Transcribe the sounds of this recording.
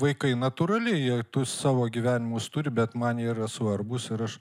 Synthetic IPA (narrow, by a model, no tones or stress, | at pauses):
ʋɐɪkɐɪnɐt̪ʊɾɐlʲɪjiɛt̪ʊssɑːʋoːɡʲiʋʲæːnʲɪmust̪ʊɾʲɪbʲɛt̪mɐniːɾɐsʊɐrbʊsɪɾɐʃ